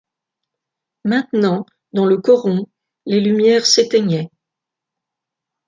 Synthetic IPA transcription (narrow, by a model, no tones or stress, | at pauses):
mɛ̃t̪nɑ̃ | d̪ɑ̃ləkɔʁɔ̃ | lelymjɛʁset̪ɛɲɛ